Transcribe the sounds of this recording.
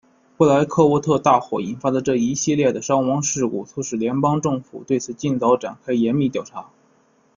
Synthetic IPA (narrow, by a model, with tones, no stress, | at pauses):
pla˧˥ɪkʰɤ˥˧wɔ˥˧t̪ʰɤ˥˧t̪a˥˩xwɔ̰˨˩i˨˩nfa˥də˨ʈ͡ʂɤ˥˩i˧˥ɕi˥˧ljɛ˥˩d̪ə˩ʂɑ˥ŋwɑ˧˥ŋʂɻ̩˥˧ṵ˥˩t͡sʰu˧˥˩ʂɻ̩˨˩ljɛ˧˥npɑ˥ŋʈ͡ʂɤ˥˩ŋfṵ˨˩t̪we˥˩ɪt͡sʰɹ̩˨˩t͡ɕi˥˩nt͡sɑ˧˥ʊʈ͡ʂa̰˨˩nkʰa˥ɪjɛ˧˥nmi˥˧t̪jɑ˨˩ʊʈ͡ʂʰa˧˥